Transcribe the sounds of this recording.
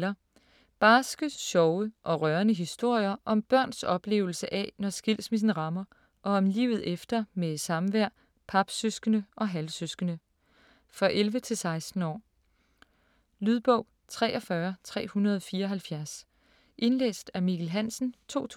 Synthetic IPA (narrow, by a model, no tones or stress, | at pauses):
ɐ | b̥ɑsɡ̥əsɕɒ̽ʊəʔɒ̽ʁɶɐnəɦisd̥o̝ɐ̰jɐʔɒ̽mb̥ɶɐ̰nsɒ̽b̥le̝̰ːʊl̩səʔɛnɒsɡ̥il̰smis̬n̩ʁɑ̈mɐ | ʔɒ̽ɒ̽mlḭːʊð̞̩ˠefd̥ɐmeesɑ̈mʋæɐ̰ | pʰɑ̈b̥søsɡ̥ənəʔɒ̽ɦælsøsɡ̥ənə | fʁɑ̈ʔelʋət͡sʰe̝lsɑ̈ɪsd̥n̩ɒ̰ː | lyðˠb̥ɔ̽ʊ̰ | t͡sʰʁɛ̰ːʔɒ̽fɶɐt͡sʰʁɛ̰ːhunɐð̞ˠɒ̽fiːɐɒ̽ɦælfjæɐs | ʔe̝nlḛːsd̥æɐmiɡ̥ʰlɦæn̰sn̩t͡sʰo̝̰ːt͡sʰ